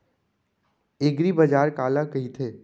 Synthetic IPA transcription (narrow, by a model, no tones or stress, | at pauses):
eɡɾibɐd͡ʒaːɾkaːlakɐɦit̪ʰeː